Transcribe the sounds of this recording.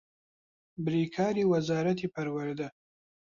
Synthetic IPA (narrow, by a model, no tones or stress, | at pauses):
bɾiːkʰaːɾiːwɐzaːɾɐt̪iːpʰɐɾwɐɾd̪ɐ